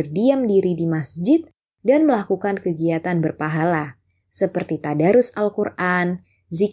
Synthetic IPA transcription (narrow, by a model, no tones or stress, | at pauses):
ərdiamdiɾidimasd͡ʒɪt̪̚ | danməlakukankəɡiat̪anbərpaɦala | səpərt̪it̪adaɾʊsalkurʔan | zi